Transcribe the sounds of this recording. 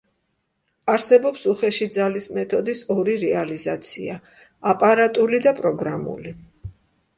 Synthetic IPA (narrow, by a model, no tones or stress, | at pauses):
aɾsɛbɔpsuχɛʃid̪zalismɛt̪ʰɔd̪isɔɾiɾɛalizat̪sʰḭa | apʼaɾat̪ʼulid̪apʼɾɔɡɾamṵli